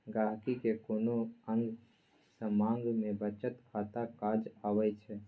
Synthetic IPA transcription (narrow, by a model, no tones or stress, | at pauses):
ɡaːɦkikekoːnoə̃ŋɡ | sə̃mãːŋɡmẽbət͡ʃət̪kʰat̪akaːd͡ʒaːwɛt͡ʃʰɛ